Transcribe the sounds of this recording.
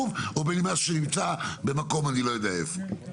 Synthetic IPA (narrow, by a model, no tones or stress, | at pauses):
uvobenimaʃenimt͡sabe̞mako̞manilo̞jod̪eaefo